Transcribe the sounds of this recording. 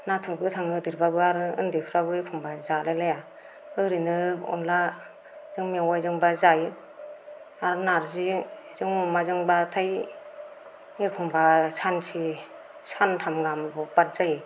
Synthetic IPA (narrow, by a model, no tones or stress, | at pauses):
natʰuɾɡɯtʰaŋɯdiɾbabɯaɾɯɯ̰ndipʰɯɾabɯekʰɔmbazalalaja | ɯɾinɯɔ̰nla | zɯŋmiawajzɯŋbazaji | aɾɯnaɾzizɯŋɔmazɯŋbatʰaj | ekʰɔmbasansʰi | santʰamɡambɔpat̚zaji